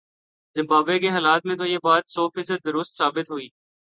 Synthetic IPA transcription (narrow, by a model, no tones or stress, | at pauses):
zɪ̃mbaːbekeɦaːlaːt̪̚mẽt̪̬ojeːbaːt̪sɔːfiːsəd̪̚dːʊɾʊst̪saːbɪt̪ɦoiː